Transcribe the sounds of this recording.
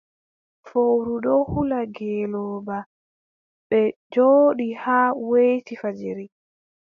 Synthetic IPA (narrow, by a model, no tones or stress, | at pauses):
fowɾuɗɔhulaɡɛːlɔːba | ɓɛd͡ʒoːɗihaːwejtifad͡ʒiɾi